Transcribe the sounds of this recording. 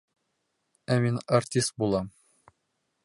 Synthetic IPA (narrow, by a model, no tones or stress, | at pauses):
æminɐrtʲist̪̚bulˠɑm